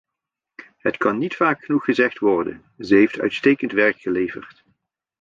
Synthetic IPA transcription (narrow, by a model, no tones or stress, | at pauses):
ɦətkɑnːitfaːkχənuχːəzɛχtʋɔɹdə̰n | zəɦejftœ̰ɥtstejkəntʋɛɹkχəlejvərt